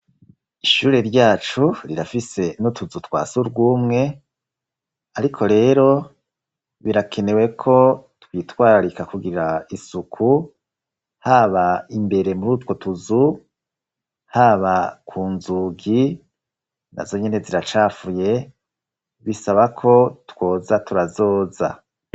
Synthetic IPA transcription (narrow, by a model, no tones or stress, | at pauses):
iʃuːɾe̞ɾɟaːt͡ʃuɾiɾafise̞nutuzutwa̰ːsuɾɡuːmŋe̞ | aɾikʰo̞ɾe̞ːɾo̞ | βiɾakʰe̞ne̞we̞kʰo̞twiːtwaːɾaɾikakuɡiɾaisukʰu | haβaimbe̞ɾe̞muɾutwo̞tuzu | haβakʰuːnzuɡi | na̰zo̞ɲe̞ne̞ziɾat͡ʃaːfuje̞ | βisaβakʰo̞two̞ːzatuɾazo̞ːza̰